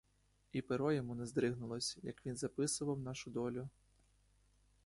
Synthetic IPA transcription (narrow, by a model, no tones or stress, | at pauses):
ipeɾɔjɔmunɛzd̪ɾɪɦnʊlˠɔsʲjɐkʋʲinzɐpɪsʊʋɐwnɑʃʊd̪ɔlʲʊ